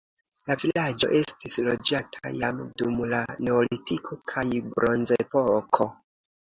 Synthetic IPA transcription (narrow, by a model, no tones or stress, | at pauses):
lavilad͡ʒo̞̰ʔe̞stislo̞d͡ʒatʰa̰jamdumlane̞olitikʰo̞kʰajbɾo̞nzepo̞kʰo̞